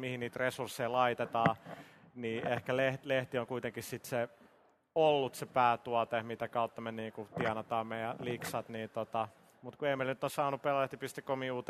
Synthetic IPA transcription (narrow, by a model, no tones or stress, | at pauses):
mihinniːt̪resursːeilɑit̪et̪ɑː | niːʔehkæleht̪leht̪ioŋkuit̪eŋkissit̪se | olːut̪sepæːt̪uɑt̪ehmit̪ækɑut̪ːɑmenniːŋkut̪iɑnɑt̪ɑːmmejæliksɑt̪niːnt̪ot̪ɑ | mut̪kueimːeilnyt̪ːˑossɑːnuppelæleht̪ipist̪ikomiuːt̪